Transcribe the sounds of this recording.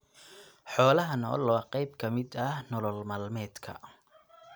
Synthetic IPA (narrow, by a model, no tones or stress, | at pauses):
ħɔːlɐɦɐnɔ̰ːlɔqɑjbkʰɐmɪd̪ɐhnɔlɔlmaːlmɛːd̪kʰɐ̰